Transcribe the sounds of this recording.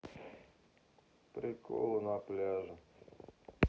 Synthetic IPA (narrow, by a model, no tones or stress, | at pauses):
pɾɪko̰lˠʊnaplʲaʒʊ